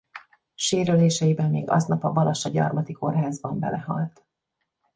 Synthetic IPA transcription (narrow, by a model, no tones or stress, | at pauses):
ʃeːɾøleːʃɛjibɛmːeːɡɒ̰znɒpɒbɒlɒʃɒɟɒ̰rmɒt̪iko̞rɦaːzbɒmbɛ̰lɛhɒ̰lt̪